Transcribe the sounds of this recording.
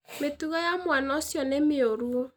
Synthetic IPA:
metuɣɔjamwanɔsjɔnemeoɾuo

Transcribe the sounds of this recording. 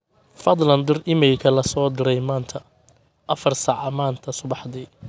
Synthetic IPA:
fɐd̪ˤlɐnd̪ɪrɪmɪlkʰɐlɐsɔːd̪ɪɾɛjmaːnt̪ʰɐ | ʔɐfɐrsaːʕɑmaːnt̪ʰɐsʊβɑħd̪iː

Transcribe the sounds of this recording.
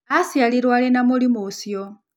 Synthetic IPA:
asialiɾwaɺɛnamolimosijɔ

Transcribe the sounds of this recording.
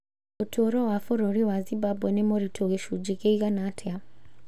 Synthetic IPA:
otʰoɾɔwafoɾoɾiwazimbabwɛnɛmoɾitʰoɣeʃud͡ʒikeiɣanatʰɛa

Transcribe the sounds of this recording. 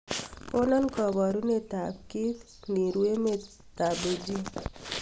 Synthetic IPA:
konankɔβɔɾunet̪afkit̪ | niɾueme | t̪abed͡ʒi

